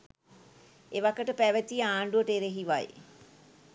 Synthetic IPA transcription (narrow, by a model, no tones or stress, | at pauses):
eʋakəʈəpæʋət̪iaːɳɖuəʈeɾeɦiʋa̰j